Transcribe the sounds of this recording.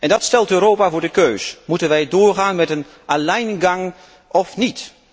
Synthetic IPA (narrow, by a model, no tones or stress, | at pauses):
ʔɛndɑtstɛlˠtøɾowpaːvʊːɹdəkøɥsmutənʋɛjdʊːɹχaːnmɛtən | alɛjnɡɑŋ | ɔfnit